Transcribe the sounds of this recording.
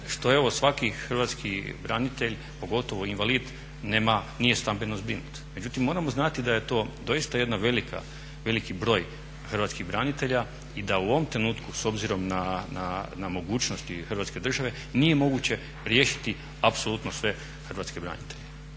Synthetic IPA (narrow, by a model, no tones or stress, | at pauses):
ʃt̪o̞eʋo̞sʋakixr̩ʋat̪skibɾanit̪eʎ | po̞ɡo̞t̪o̞ʋo̞inʋaliːd̪ | nemanije̞st̪ambenozbɾinut̪me̞d͡ʑut̪imːo̞ːɾamo̞znat̪id̪aje̞t̪o̞ːd̪o̞ist̪ajed̪naʋelikʰa̰ | ʋe̞likibɾo̞ːj | xr̩ʋat̪skiɣbɾanit̪e̞ʎa | id̪auʋomt̪ɾe̞nuːt̪kuso̞bziɾo̞mnana̰namo̞ɡuːt͡ɕnost̪ixr̩ʋat̪ske̞d̪r̩ʒaʋe̞ | nije̞mo̞ɡut͡ɕe̞ | ɾjeːʃi̥t̪i | apso̞lˠut̪nosʋe̞ | xr̩ʋatskebɾa̰nit̪eʎe